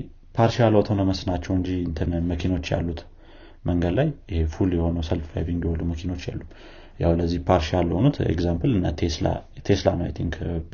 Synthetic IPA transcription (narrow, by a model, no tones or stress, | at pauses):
pʰaɾʃialot̪ʰəwnəməsnat͡ʃːɛwɨɲd͡ʒiɨnt̪ʰɨnəməkʰino̞t͡ʃːja̰lːut̪ | mʔəŋɡəd̪lajɪhefuljɛho̞nəwsəlffa̰jbiŋɡjɛholːuməkʰino̞t͡ʃːjɛ̰lːum | ja̰wləzːihpʰaɾʃjalːəhonut̪ḛɡzampɨlɨnːat̪ʰesa̰t̪ʰeslanəjɛt̪ʰiŋk